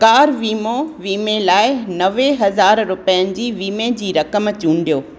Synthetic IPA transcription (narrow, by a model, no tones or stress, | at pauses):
kaːɾʋiːmõʋiːmẽlaːɪnɐʋeɦɐzaːɾɾʊpəjənɪ̆d͡ʑiːʋiːmẽd͡ʑiːɾɐkəmt͡ɕũːɳɖijoː